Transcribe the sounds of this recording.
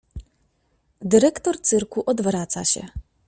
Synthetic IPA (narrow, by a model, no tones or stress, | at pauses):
d̪ɘɾɛkt̪ɔɾt̪sɘɾkuʔɔd̪vɾat̪sa̰ɕɛ̰